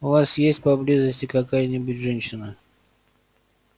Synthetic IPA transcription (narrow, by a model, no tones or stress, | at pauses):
ʊvasjesʲtʲpɐblʲizəsʲtʲɪkɐkajənʲɪbʊtʲʐɛnʲɕɪnə